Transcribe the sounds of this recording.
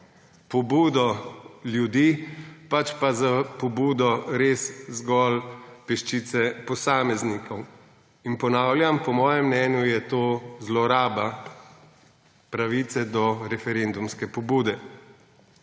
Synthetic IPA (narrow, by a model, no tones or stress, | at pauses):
pɔbuːd̪ɔljud̪iːpat͡ʃpazapɔbuːd̪ɔɾeːszɡɔlpɛʃt͡ʃit̪sɛpɔsaːmɛznikʰɔw | inpɔnaːwlʲjampɔmɔːjɛmnɛːnjujɛt̪oːzlɔɾaːba | pɾaʋiːt̪sɛd̪ɔɾɛfɛɾend̪umskɛpɔbuːd̪ɛ